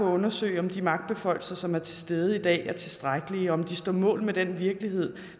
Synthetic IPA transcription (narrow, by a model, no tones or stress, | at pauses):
ɒ̽ɔ̽nɐsø̰ɪɒ̽md̥imɑ̈ɡ̥d̥̚b̥e̝fɒ̽ɪl̩sɐsɒ̽mæɐt͡sʰe̝sd̥eːð̞ˠəid̥ɛ̰ːæɐt͡sʰe̝sd̥ʁaɡ̥əliɒɒ̽md̥isd̥ɒ̰ːmɔ̰̽ːlmed̥enʋiɐɡ̥əlihe̝ð̞̰ˠ